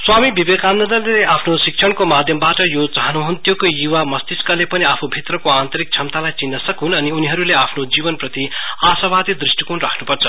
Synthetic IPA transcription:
swamibʱibekannʌd̪ʌrleeʔapʰnosik̚t͡sʰʌɽkomad̪ʱjʌmbaʈʌjot͡saɦʌnuɦunt̪jokojuwamʌst̪iskalepʌniapʰubʱit̪rʌkoant̪ʌɾik̚t͡sʰʌmt̪alajt͡sinːʌsʌkunʌniuniɦʌɾuleapʰnod͡zibʌnprʌt̪iasabad̪id̪risʈikunra̰kʰnupʌrt͡sʰʌ

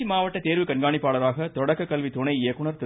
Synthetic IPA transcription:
imaːʋɐʈːɐt̪eːɾʋɯkɐɳɡaːɳɪpːaːɭɐɾaːɣɐt̪ɔɽɐkːɐkːɐlʋit̪ʊnɐɪeːkːʊɳɐɾt̪ɪ

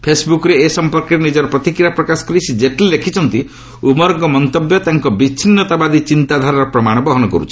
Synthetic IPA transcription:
pʰesbukɔɾeːsɔmpɔɾkɔɾenid͡ʒɔɾɔpɾɔt̪ikɾiapɾɔkaskɔɾisʰid͡ʒeʈellekʰit͡ʃʰɔnt̪i | umɔɾɔŋkɔmɔnt̪objɔt̪aŋkɔbit͡ʃʰinːɔt̪abad̪it͡ʃint̪ad̪ʱaɾɔɾɔpɾɔmaɽ̃ɔbɔɦɔnɔkɔɾut͡ʃʰi̥

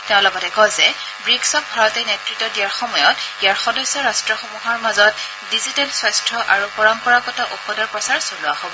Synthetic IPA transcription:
tɛʊ̃lɔɡɔtɛkɔzɛ | bɹiksɔk̚bʱaɹɔtɛnetɹitːɔdiaɹxɔmɔjɔtijaɹxɔdɔsːɔɹastɹɔxɔmuɦaɹmazɔt̚ | dizitɛlswɔjstʰɹɔʔaɹupɔɹɔmpɔɹaɡɔtɔʔupɔdɔɹpɹɔsaɹsolʊahobɔ

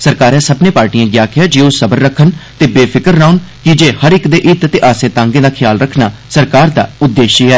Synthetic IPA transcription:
səɾkaːɾɛ̃ːsəbnẽːpaːɾʈiãːɡjaːkɪjaːd͡ʒeːosəbəɾːəkʰːənt̪eːbeːpʰɪkəɾnaːʊnkɪd͡ʒeːhəɾɪkd̪eːʔɪt̪t̪eːʔaːsẽːt̪ãːŋɡẽːd̪aːkʰɪjaːlɾəkʰnaːsəɾkaːɾd̪a̰ːʊd̪ːeːʃiːɦɛː

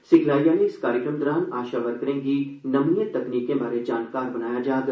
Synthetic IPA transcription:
sɪɡʱlaːjaːneɪskaːɾjəkɾəmd̪ɾaːnaːʃaʋɐɾkɐɾẽɡinɐmnjət̪ɐkniːkẽbaːɾed͡ʒaːnkaːɾbɐnaːjad͡ʒaːd̪

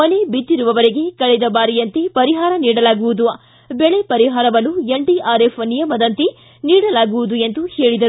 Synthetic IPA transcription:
ɐnebit̪ːiɾuʋɐʋɐɾeɡe̞kɐɭed̪ɐbaːɾijɐnt̪epɐɾiɦaːɾɐniːɽɐlaːɡuʋud̪ua | bɛɭepɐɾiɦaːɾɐʋɐlueɳɖiʔaːɾefʰnijɐmɐd̪ɐnt̪e | niːɽɐlaːɡuʋud̪ue̞nd̪uhe̞ːɭid̪ɐɾu

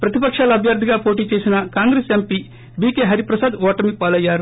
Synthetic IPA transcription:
pɾɐt̪ipɐkʂaːlɐɐbʱjɐɾd̪ʱiɡaːpoːʈiːt͡ʃe̞ːsinɐkaːŋɡɾeːsempi | biːkeːɦɐɾipɾɐsaːd̪ʋɔːʈɐmipaːlɐjːaːɾu

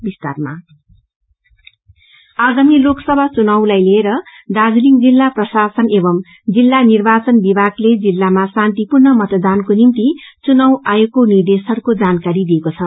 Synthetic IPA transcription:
bist̪arma̰ | aɡamiloksʌbʱat͡sunʌwlajleeɾʌd̪ad͡zliŋd͡zilːaprʌsasʌnebʌm | d͡zilːanirbat͡sʌnbibʱaɡled͡zilːamasãnt̪ipurnʌmʌt̪d̪ankonimt̪it͡sunʌwajekonird̪esʌɽkod͡zankaɾid̪iekot͡sʰʌ

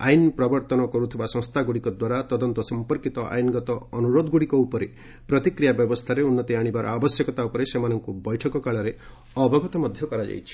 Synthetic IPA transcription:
a̰jnpɾɔbɔɾt̪ɔnɔkɔɾut̪ʰibasɔ̃ŋst̪ʰaɡuɽikɔd̪waɾat̪ɔd̪ɔnt̪ɔsɔmpɔɾkit̪ɔʔa̰jnɡɔt̪ɔːnuɾod̪ɔɡuɽikɔupɔɾe | pɾɔt̪ikɾijabjɔbɔst̪ʰaɾeunːɔt̪iaɽ̃ibaɾɔ̰abɔsjɔkɔt̪aupɔɾesemanɔŋkubɔjʈʰɔkɔkaɭɔɾe | ɔbʱɔɡɔt̪ɔmɔd̪ʱjɔkɔɾad͡ʒa̰jt͡ʃʰi̥

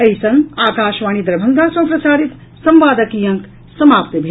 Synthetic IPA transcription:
ɐjsɐ̃ŋɡaːkaːʃʋaːnid̪ɾɐbʱɐnɡ̪aːsɐ̃wpɾɐsaːɾit̪ | sɐ̃mʋaːd̪ɐkiːjɐ̃ŋk | sɐmaːpt̪ɐbʱi

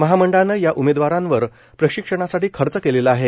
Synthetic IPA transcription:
məɦaməɳɖanəjaʔumed̪ʋaɾãnʋəɾ | pɾəɕikʂəɳ̃asaʈiːkʰəɾt͡səkeleləaɦe

